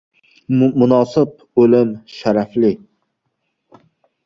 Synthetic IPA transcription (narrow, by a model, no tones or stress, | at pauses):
mʊnɑːsɨp̚ɵlɪmʃaɾæflɪ